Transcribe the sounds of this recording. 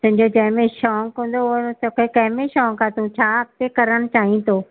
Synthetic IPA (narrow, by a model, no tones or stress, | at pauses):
t̪ʊ̃ɦɪ̃ɲd͡ʑod͡ʑɐ̃ɦɪ̃mẽʃɔːŋkõːn̆d̪ot̪okʰekɐɦɪmẽʃɔːŋkʰãt̪ũt͡ɕʰaːɐk̚t̪ekɐɾəɽ̃ʊt͡ɕaːɦĩt̪ʰoː